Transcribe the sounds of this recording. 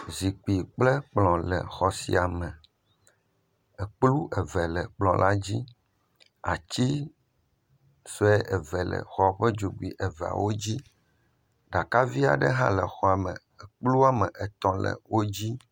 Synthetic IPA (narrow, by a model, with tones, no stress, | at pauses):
zi˨k͡pi˨k͡plɛ˦k͡plɔ̃˨lɛ̰˨xɔ˨sḭ˨a˨mɛ̃˨ | ɛ˨k͡plu˦ʔɛ˨vɛ˨lɛ˨k͡plɔ̃˨lʔa˦d͡ʑi˦ | a̰˨t͡ɕi˦ | so˦ɛ˦ʔɛ˨vɛ˨lɛ̰˨xɔ˦˨ɸɛ˦d͡ʒu˨ɡ͡bu˨i˨ʔɛ˨vɛ˨a̰˨wo˦d͡ʑi˦ | ɖa˨ka˦vi˦a̰˨ɖɛ˦ɦã̰˦lɛ˨xɔ˨a˨mɛ˨ | ɛ˨k͡plu˦a˨mɛ˨ʔɛ˨t̪ɔ̃˨lɛ̰˨wo˦d͡ʑi˦